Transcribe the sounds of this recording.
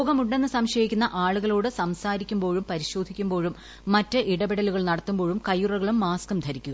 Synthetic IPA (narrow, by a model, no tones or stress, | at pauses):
oːɣɐmuɳɖe̞nːɨsɐmɕɐjikʲːunːɐʔaːɭuɣɐlo̞ːɽɨsɐmsaːɾikʲːumbo̞ːɻumpɐɾiɕo̞ːd̪ʱikʲːumbo̞ːɻumː | ɐtːɨʔiɽɐbiɽɐluɣɐɭnɐɽɐt̪ːumbo̞ːɻumkɐjurɐɣɐɭumːaːskɐmd̪ʱɐɾikʲːuɣɐ